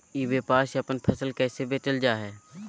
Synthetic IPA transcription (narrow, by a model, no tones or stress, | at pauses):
iːbepaːʃɐpənpʰəsəlkɛːsebeːt͡ʃəld͡ʒaːɦɛː